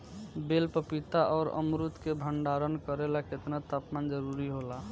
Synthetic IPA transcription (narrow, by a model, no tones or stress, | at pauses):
belpəpit̪aʔɔːɾə̰mɾut̪kebʱəɳɖaɾənkəɾelaket̪nat̪apmand͡ʒəɾuɾiɦola